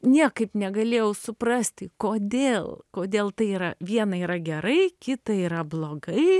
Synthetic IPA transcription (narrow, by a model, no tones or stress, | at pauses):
nʲiɛkɐɪpnʲɛɡɐlʲeːjɛʊsʊprɐsʲt̪ʲɪkoːd̪ʲeːlˠkoːd̪ʲeːlˠt̪ɐɪiːɾɐʋʲiɛnɐiːɾɐɡʲɛɾɐɪkʲɪt̪ɐiːɾɐblˠoːɡɐɪ